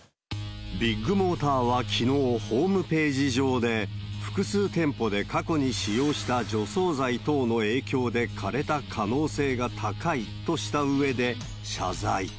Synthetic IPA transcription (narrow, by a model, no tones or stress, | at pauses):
bʲiɡːɯ̟mo̞ːt̪aːβakʲʰino̞ːho̞ːmɯ̟pe̞ːʑiʑo̞ːd̪e̞ɸɯ̟̥kɯ̟sɨːt̪ẽ̞mpo̞d̪e̞kako̞ɲ̟iɕijo̞ːɕi̥t̪ad͡ʑo̞so̞ːzait̪o̞ːno̞e̞ːkʲo̞ːd̪e̞kʰaɾe̞t̪akʰano̞ːse̞ːɡat̪ʰakait̪o̞ɕi̥t̪aɯ̟e̞d̪e̞ | ɕa̰zai